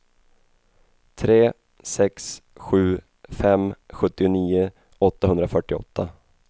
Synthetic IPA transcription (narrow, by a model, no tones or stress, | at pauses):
t̪ʰɾeː | sɛksɧʉ̟ː | fɛmɧɵt̪ːɪʊniːʊ | ɔt̪ːaɦɵnd̪ɾafœʈːɪɔ̰t̪ːa